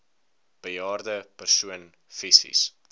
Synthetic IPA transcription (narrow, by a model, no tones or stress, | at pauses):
b̥əjɑːrdəpərsuən | fisḭs